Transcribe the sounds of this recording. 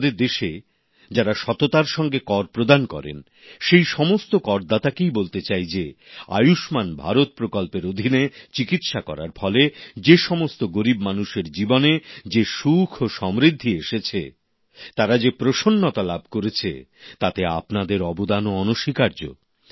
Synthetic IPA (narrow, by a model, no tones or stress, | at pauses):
d̪eɾd̪eʃe | d͡ʑaɾaʃɔt̪ot̪aɾʃɔŋɡekɔɾpɾod̪ankɔ̰ɾḛn | ʃejʃɔmost̪okɔɾd̪at̪akejbolt̪et͡ɕajd͡ʑea̰juʃmanbʱaɾot̪̚pɾokɔlpeɾod̪ʱinet͡ɕikit̪ʃakɔ̰ɾaɾfɔled͡ʑeʃɔmost̪oɡoɾibmanuʃeɾd͡ʑiboned͡ʑeʃukʰoʃɔmɾid̪ʱːieʃet͡ɕʰḛ | t̪aɾad͡ʑepɾoʃonːot̪alab̚ʱkoɾet͡ɕʰḛt̪at̪ea̰pnad̪eɾɔbod̪anoɔnoʃikaɾd͡ʑo̰